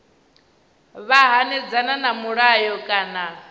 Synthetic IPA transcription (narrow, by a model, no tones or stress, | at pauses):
βaɦanɛd͡zananamuɺajɔkʼaːna